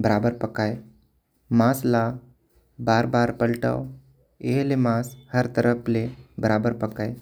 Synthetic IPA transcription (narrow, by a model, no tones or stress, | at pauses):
bəɾaːbəɾpɐkaːe | mãːsla | baːɾbaːɾpəlʈa̰w | eɦlemãːshəɾt̪əɾəpʰlebəɾaːbəɾpɐkaːe